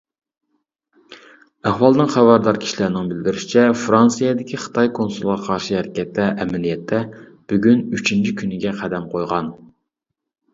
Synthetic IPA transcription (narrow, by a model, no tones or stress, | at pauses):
æhwɑlˠnɨŋχæwɑɾd̪ɑɾkʲʰi̥ʃilæɾnɪŋbɪld̪ɪɾyʃi̥t͡ʃʰɛfɾɑnsijɑd̪ɪkʲʰiχə̥t̪ʰɑjkʰonsulˠʁɑqʰɑɾʃɨæɾɪkʲɛt̪ʰːɛʔɛmɪlijɛt̪ʰːɛb̥yɡʲynyt͡ʃʰint͡ʃʰikʲʰynɪɡʲɛqʰæd̪ɛmqʰojʁɑn